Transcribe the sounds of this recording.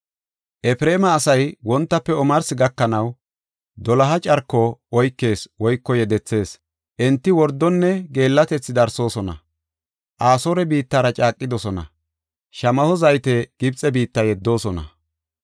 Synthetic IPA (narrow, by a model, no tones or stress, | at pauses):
ʔɛfɾe̞ːmɐːsɐjwɔnt̪ːɐpːɛɔmɐɾsɪɡɐkːɐnɐw | d̪ɔlɐɦɐt͡ʃʼɐɾkːɔɔjkːe̞ːswɔjkːɔjɛd̪ɛt͡sːe̞ːs | ʔɛnt̪ːɪwɔɾd̪ːɔnːɛɡe̞ːlːɐt̪ɛt͡sːɪd̪ɐɾso̞ːsɔnɐ̰ | ʔaːsoːɾɛbiːt̪ːaːɾɐt͡ʃʼaːkʼːɪd̪ɔsɔnɐ̰ | ʃɐmɐhɔzɐjt̪ɛɡ̥ɪbt͡sʼːɛbiːt̪ːɐjɛd̪ːo̞ːsɔnɐ̰